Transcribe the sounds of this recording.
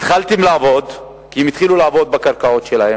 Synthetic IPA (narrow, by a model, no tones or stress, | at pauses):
it̪χalt̪imlaːvo̞d̪ | kiemit̪χilulaːvo̞d̪̚bakaʁkao̞tʃelahe